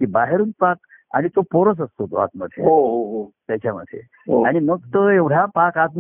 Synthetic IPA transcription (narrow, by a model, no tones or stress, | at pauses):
kiːbaɦeɾuːnpak̚ | a̰ɽ̃it̪opoɾəs̬əst̪ot̪oa̰t̪məd̪ʱjḛɦoɦoɦot̪jat͡ɕjamə̰d̪ʱːjḛ | oaɽ̃inəɡ̚t̪əeʋɽ̤japakat̪n